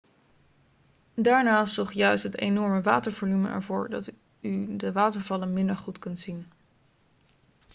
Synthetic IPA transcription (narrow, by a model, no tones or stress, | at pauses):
daːɹnaːsɔχjœɥstɦətḛjnɔɹməʋaːtəɹvolymə̰ʔɛ̰ɹvʊːɹdɑ̰t | ydəʋaːtəɹvɑlənmɪndəɹχutkɵntsin